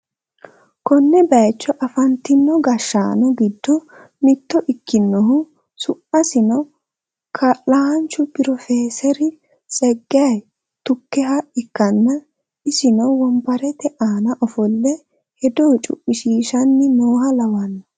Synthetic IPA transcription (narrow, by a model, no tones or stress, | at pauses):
kɔnːɛbɐjt͡ʃːɔʔɐfɐnt̪ːɪnːɔɡɐʃːaːnɔɡɪd̪ːɔ | mɪt̪ːɔʔɪkːɪnːɔɦʊ | sʊʔɐsɪnɔ | kʰɐlaɐnt͡ʃːʊpɪɾɔfeːsɛɾɪ | t͡sʼɛɡːɪɐj | t̪ʊkːɛɦɐɪkːɐnːɐ | ɪsɪnɔwɔmbɐɾɛt̪ɛʔaːnɐʔɔfɔlːɛ | hɛd̪oːt͡ʃʼʊ̰ʔːɪʃiːʃɐnːɪmoːhɐlɐwɐnːɐ